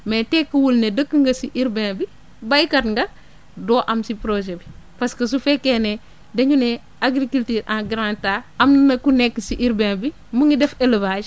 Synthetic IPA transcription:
metekːuwulnedəkːəŋɡɐsiʔiɾbẽnbi | bajkɐtŋɡɐ | dɔːʔɐmsipɾoʒebipɐskɐs̬ufekene | dɐɲune | aɡɾikultiːɾʔãɡɾãntaɐmnnɐkunekːsiʔiɾbẽnbi | muŋidɛfelvaːd͡ʒ

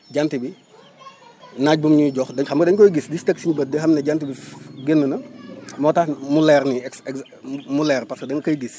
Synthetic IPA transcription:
ɟantibi | naːc̚bumɲuɟɔxdɐxɐmkɐdɐɲkɔːjɡisdistɐksiɲbɐt̚dixɐmnɛɟantibiɡenːənɐmɔtamulɛɾniɛksɛ | mulɛːrpɐskədɐŋkɐjɡis

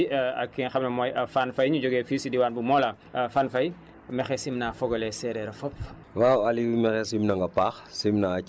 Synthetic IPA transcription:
ɐ̰kːɛnxɐmnɐmɔjɐfanfɐjɲud͡ʒɔɡɛːfiːsidiwaːnbumɔːlɐ | fanfɐj | mɛxɛsimnafɔɡɔlɛsɛɾɛɾɐfɔp̚ | wawalimɛxɛsimnɐŋɡɐpaːxsimna

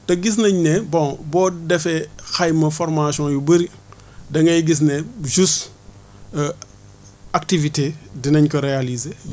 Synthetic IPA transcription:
tɐɡis̬nɐɲnɛbɔ̃bɔːdɛfɛxɐjmɐfɔrmasɔ̃jubɐɾi | dɐŋɡɐjɡis̬nɛʒust | ak̚tivitedinɐɲkɔɾealize

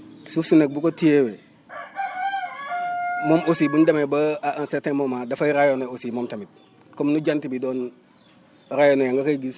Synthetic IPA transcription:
sufsunek̚bukotijewe | momosibundamebansetemomadafaiɾajonoosimomtamit̚ | komnuɟantibidoːn | ɾajonojaŋɡokaiɡis

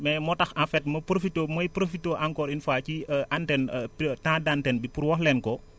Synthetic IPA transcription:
mɛmɔtɐxãfɛt̚mɐpɾofitomɐjpɾofitːoːʔaŋkɔːɾinfaːciʔantɛnptãdantɛnbipuɾwɔxlɛnkɔ

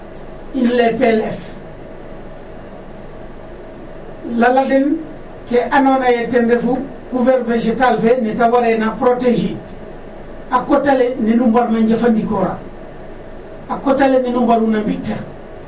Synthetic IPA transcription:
inlepelef | laladen | keʔanoːnajetendefu | ɡuveɾveʃetalfenitawaɾenapɾoteʃit | akotaleninumbaɾnaɲɟafandikoɾa̰ | akotaleninumbaɾunambiteɾ

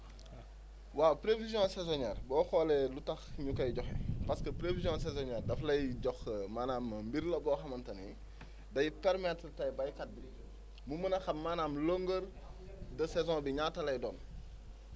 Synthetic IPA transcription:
waːpɾevizjɔ̃sɛzɔɲɛːrbɔːxɔlɛlutɐxɲukɐjɟɔxɛ̰pɐskəpɾevizjɔ̃sɛzɔɲɛːrdɐflɐjɟɔxmaːnaːmːɐmbiɾlɐbɔːxɐmɐntɐni | dɐjipɛɾmattɐjbɐjkɐt̚bi | mumɐnɐxɐmːaːnaːmloŋɡəɾ | dɐsɛzɔ̃biɲaːtːɐlɐjdɔːn

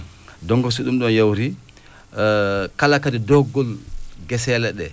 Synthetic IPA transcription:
dɔŋɡɔsiɗumɗɔnjawɾi | kalakadidɔɡːɔlɡɛsɛlɛɗɛ

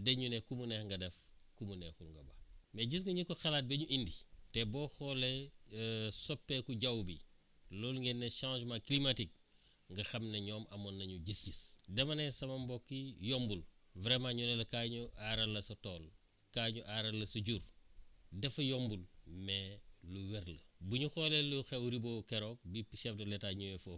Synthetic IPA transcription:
deɲunekumunehŋɡɐdef | kumunexulŋɡɐbameɟis̬ŋɐɲikoxɐlaːt̚beɲuʔinditebɔxɔle | sopːekuɟawbi | lolŋɡenːeʃãːʃmaklimatik̚ | ŋɡɐxɐmneɲɔːmɐmonːɐɲuɟisɟisdɛmɐnesɐmɐmbokːijɔmbulvɾemaɲunelɐkaɲuaɾɐlːɐsɐtoːl | kaːɲuʔaɾɐlːɐsuɟuɾ | dɛfɐjombulmɛluweɾləbuɲuxoleluxewɾiboːkɛɾoːk̚bipiʃɛfdɐletaɲujefo

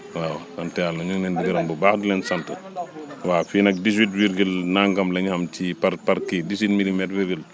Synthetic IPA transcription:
waːwsɐntɛalnɐɲuŋnɛndiɡɐɾɐmbubaːxdilɛnsɐntəwaːfiːnɐk̚dis̬witwiɾɡəlnaŋɡɐmlɐɲhɐmt͡ʃipɐɾpɐɾkidiswit̚milimɛtwiɾɡəl

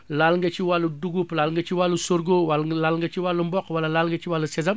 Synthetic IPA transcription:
lalŋɡɐt͡ʃiwalːuduɡuplalŋɡɐt͡ʃiwalːusoɾɡowallalŋɡɐt͡ʃiwalːumbɔkwɐlɐlalŋɡɐt͡ʃiwalːusɛzɐm

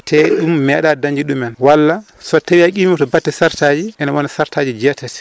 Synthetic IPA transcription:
tʰɛɗumːɛɗadaɲd͡ʒiɗumɛnwalːa | sɔtawiakʼimimɔtɔbatːɛsaɾtad͡ʒiʔɛnawɔnasaɾtaːd͡ʒid͡ʒɛtːɛtɛ̥

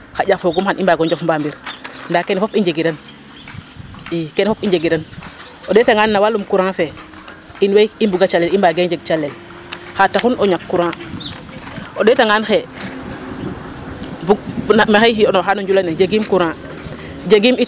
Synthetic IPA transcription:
xaɟafoɡumxanʔimbaɡɔɲd͡ʒofmbambiɾndakenefopind͡ʒeɡidan | ikenefopiɲd͡ʒeɡidan | odetaŋanːawalumkuɾãːfe | inwejimbuɡat͡ʃalelimbaɡend͡ʒeɡ̚t͡ʃalːel | xataxunoɲakːuɾã | odetaŋanxe | buɡnamexejhionoxanoɲd͡ʒulaned͡ʒeɡimkuɾãː | d͡ʒeɡimi

